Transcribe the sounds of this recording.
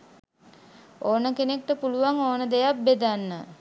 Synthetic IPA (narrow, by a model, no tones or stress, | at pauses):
oːnəkenek̚ʈəpuluʋaŋoːnəd̪ejap̚bed̪anːə